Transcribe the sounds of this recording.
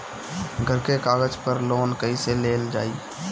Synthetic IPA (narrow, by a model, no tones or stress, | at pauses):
ɡʱəɾkekaːɡəd͡ʒpəɾloːnkəiseleːld͡ʒa̰ːiː